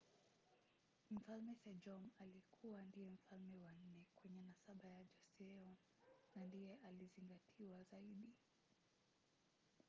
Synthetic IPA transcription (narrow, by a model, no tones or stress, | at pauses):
m̩falmɛsɛd͡ʒɔmalikʰuwandijɛm̩falmɛwan̩nɛkwɛɲɛnasaɓajad͡ʒɔsɛɔ | nandijɛʔaliziŋɡatʰiwazaiɗi